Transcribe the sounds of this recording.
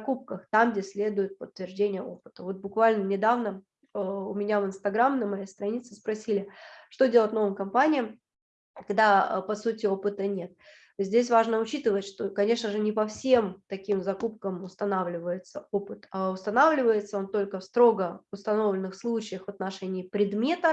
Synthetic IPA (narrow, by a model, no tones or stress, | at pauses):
kup̚kəxt̪amɡdʲesʲlʲe̞d̪ʊjɪt̪̚pət̪ːvʲɪrʐdʲenʲɪjəo̞pɨ̥t̪əvo̞t̪̚bʊkvalʲnənʲɪd̪avnə | əʊmʲɪnʲavɨnst̪ɐɡɾamnəmɐjejst̪ɾɐnʲit̪sɨspɾɐsʲilʲɪʂt̪o̞dʲeətʲno̞vəmkɐmpanʲɪjəm | kɐɡd̪a̰pɐsutʲɪo̞pɨt̪ənʲe̞t̪̚ | zʲdʲes̬ʲvaʐnəʊt͡ɕit̪ɨvətʲʂt̪okɐnʲe̞ʂnəʐɨnʲɪpɐfsʲe̞mt̪ɐkʲimzɐkup̚kəmʊst̪ɐnavlʲɪvəjɪt̪səopɨt̪aʊst̪ɐnavlʲɪvəjɪt̪səo̞nt̪o̞lʲkəfst̪ɾo̞ɡəʊst̪ɐno̞vlʲɪnɨxslˠut͡ɕɪjəxvɐt̪nɐʂɛnʲɪːpɾʲɪd̪mʲe̞t̪ə